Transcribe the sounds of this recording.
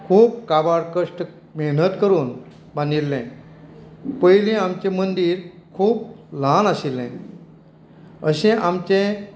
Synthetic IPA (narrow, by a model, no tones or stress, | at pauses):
kʰuːp̚kabaɽkəʂʈ | meɦnət̪kəɾuːn | bãnd̪ilːɛ̃ | pəjlĩamt͡ɕẽmənd̪iːɾkʰuːp̚lanaɕilːɛ̰̃ | əɕẽʔamt͡ɕẽ